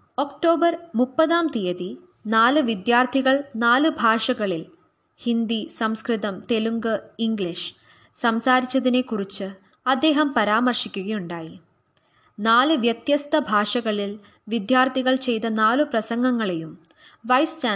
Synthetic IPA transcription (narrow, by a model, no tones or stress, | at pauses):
o̞kʈo̞ːbɐrmupːɐðaːmt̪ijɐði | naːlɨʋid̪jaːrt̪ʰiɣɐɭnaːlɨbʱaːʂɐɣɐɭil | hind̪isɐmskrit̪ɐmt̪e̞luŋɡɨiŋɡɭiʂ | sɐmsaːɾit͡ɕːɐðine̞kːurit͡ɕːɨ | ɐd̪ːe̞ːɦɐmpɐɾaːmɐrʂikʲːuɣɐjuɳɖaːji | naːlɨʋjɐt̪jɐst̪ɐbʱaːʂɐɣɐɭil | ʋid̪jaːrt̪ʰiɣɐɭt͡ɕe̞jt̪ɐnaːlɨprɐsɐŋɡɐŋːɐɭe̞jum | ʋɐjst͡ɕaː